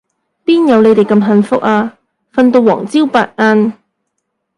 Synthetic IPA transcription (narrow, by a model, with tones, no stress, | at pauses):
piː˥njɐ˨˧wle˨˧jt̪e˨˩jkɐ˧mɦɐ˧nfʊ˥k̚aː˧ | fɐ˧nt̪o˧wːɔː˨˩ŋt͡siː˥wpa̰ː˧t̚ŋaː˧n